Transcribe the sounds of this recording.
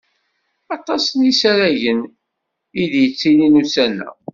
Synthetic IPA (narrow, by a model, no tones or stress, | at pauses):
ɑt̪ˤɑsənisæɾæʝən | iðjət͡sːininusænːæ̰